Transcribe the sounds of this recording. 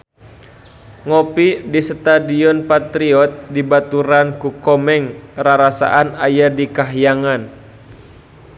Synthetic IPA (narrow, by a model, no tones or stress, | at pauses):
ŋɔpidisət̪adiɔnpat̪ɾiɔt̪̚dibat̪uɾankukɔmɛŋraɾasa̰ʔanajadikaɦjaŋan